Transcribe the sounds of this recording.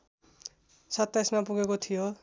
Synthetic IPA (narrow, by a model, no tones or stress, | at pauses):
sʌt̪ːajsmapuɡekot̪ʰijo